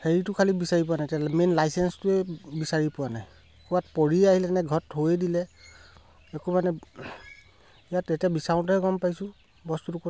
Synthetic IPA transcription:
heɹitʊkʰalibisaɹip̬ʊwanajtiamenlajsɛnstʊɛbisaɹipʊwanaj | kuatpɔɹiaɦilɛnɛɡʱɔthojɛdilɛ | ɛkumanɛ | ijatetiabisaʊ̃ntɔɛɡɔmpajsʊ̃ | bɔstutukɔ

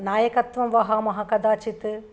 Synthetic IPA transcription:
naːjɐkɐt̪ʋɐmʋɐɦaːmɐɦɐkɐd̪aːt͡ʃit̪ɯ

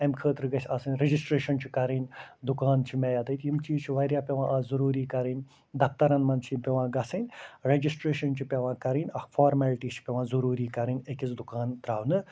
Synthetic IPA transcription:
ɐmkʰəːt̪ɾɨɡɐsʲaːsɐnʲɾed͡ʒisʈɾeːʃɐnt͡ʃʰikɐɾinʲd̪ukaːnt͡ʃʰimɛjaːd̪ɐt̪jimt͡ʃiːt͡ʃʰiʋɐɾʲjaːpʲeʋãːʔaːzɐɾuːɾiːkɐɾinʲ | d̪ɐpt̪ɐɾɐnmɐnt͡ʃʰipʲeʋãːɡɐsɐnʲɾed͡ʒisʈɾeːʃɐnt͡ʃʰipʲeʋãːkɐɾinʲɐfʰaːɾmɛːlʈiːt͡ʃʰi̥pʲeʋãːzɐɾuːɾiːkɐɾinʲekʲit͡sd̪ukaːnt̪ɾaːwnɨ

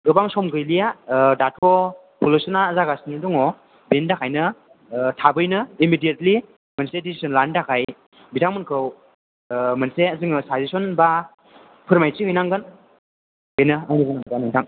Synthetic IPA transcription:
ɾɯbaŋsɔmɡɯjlijadatʰɔ | pʰulosɯnaːzaɡasinɯdɔŋɔ | bendakʰajnɯ | tʰabɯjnɯimidietli | mɯnsedisi̥sɔnlandakʰaj | bitʰaŋmɯnkʰɯw | mɯnseazɯŋɯsajzisɔnba | pʰɯɾmajt͡ʃiɦɯjnaŋɡɯn | benɯaniɡɯnaŋdanɯŋtʰaŋ

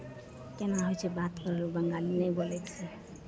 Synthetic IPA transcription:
kenaɦojt͡ʃʰɛbat̪kɔɾeɾubəŋɡalinɛjbolɛt̪t͡ʃʰɛ

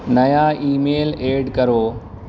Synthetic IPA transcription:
nɐjaːʔiːmeːleːɖkɐɾoː

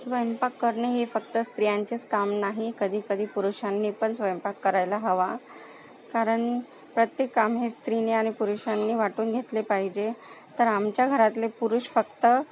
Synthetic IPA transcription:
sʋəjmpakːəɾɳeɦefək̚t̪əst̪ɾijãɲt͡ɕet͡skamnaɦikəd̪ʱiːkəd̪ʱiːpuɾuɕanːiːpəɳsʋəjmpakːəɾajlaɦəʋa | kaɾəɳ | pɾət̪jekːamɦest̪ɾineaɽ̃ipuɾuɕanːiːʋaʈuːnɡʱet̪lepaɦid͡ʑet̪əɾamt͡ɕjaɡʱəɾat̪lepuɾuʂfəkt̪ə

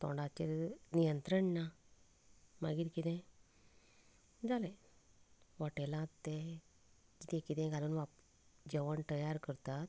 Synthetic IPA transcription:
t̪ɔ̰ɳɖat͡ɕeɾnijənt̪ɾəɳːa | maɡiːɾkid̪ɛ̃ | d͡zale | ʋaʈɛlãt̪ːe | d͡ʑit̪ɛ̃kid̪ɛ̃ɡalunʋap | d͡ʑeʋəɳt̪əjaɾkəɾt̪at̪̚

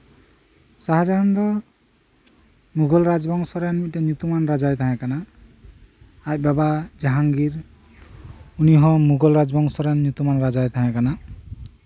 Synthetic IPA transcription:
saɦad͡ʒaɦand̪ɔ | muɡɔlɾad͡ʒbɔŋsɔɾɛnitɛnjut̪umanɾad͡ʒajt̪ʰaɦɛ̃kana | j̚babad͡ʒaɦaŋɡiɾ | uniɦɔ̃muɡɔlɾad͡ʒbɔŋsɔɾanːut̪umanɾad͡ʒajt̪ʰaɦɛ̃kana

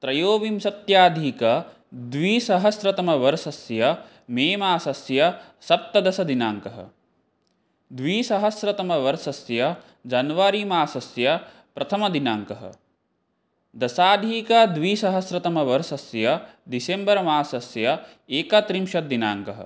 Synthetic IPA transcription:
t̪ɾɐjoːʋimsɐt̪jaːd̪ʱiːkɐ | d̪ʋiːsɐɦɐsɾɐt̪ɐmɐʋɐɾsɐsjɐ | meːmaːsɐsjɐsɐp̚t̪ɐd̪ɐsɐd̪inaːŋkɐɦɐ̰ | d̪ʋiːsɐɦɐsɾɐt̪ɐmɐʋɐɾsɐsjɐ | d͡ʒɐnʋaɾiːmaːsɐsjɐ | pɾɐt̪ʰɐmɐd̪inaːŋkɐɦɐ̰ | d̪ɐsaːd̪ʱiːkɐd̪ʋiːsɐɦɐsɾɐt̪ɐmɐʋɐɾsɐsjɐd̪isembɐɾɐmaːsɐsjɐ | eːkɐt̪ɾimʃɐd̪ina̰ːŋkɐɦɐ̰

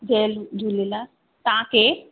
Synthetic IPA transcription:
d͡ʒeːlud͡ʒulila | t̪ãːke

